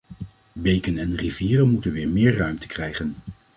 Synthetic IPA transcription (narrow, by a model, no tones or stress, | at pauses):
bejkənɛnriviːrənmutənʋɪːɹmɪːɹrœɥmtə̥krɛjχən